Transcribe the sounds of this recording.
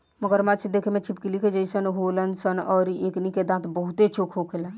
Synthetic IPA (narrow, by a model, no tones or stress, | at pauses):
məɡəɾmat͡ʃʰid̪ekʰemẽt͡ʃʰip̚kiliked͡ʒəsənɦolənsənɔːɾiekniked̪ãt̪ʰbəɦut̪et͡ʃʰokʰɦokʰelə̃n